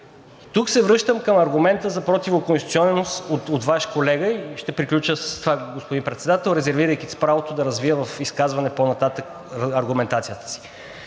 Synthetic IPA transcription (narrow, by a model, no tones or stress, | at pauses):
it̪uksɛvɾɤʃt̪əmkəmɐɾɡumɛnt̪əzɐpɾot̪ivokonst̪i̥t̪iɔnɛnost̪ot̪ot̪vaʃkolɛɡəiʃt̪ɛpɾiklʲut͡ʃəsə̥st̪ovaɡospod̪impɾɛt̪sɛd̪at̪ɛlˠɾɛzɛɾviɾəjkispɾavot̪od̪ɐɾɐzvijəvɐfiskazvɐnɛponɐt̪at̪ək | ɐɾɡumɛnt̪at̪sijət̪ə̥si̥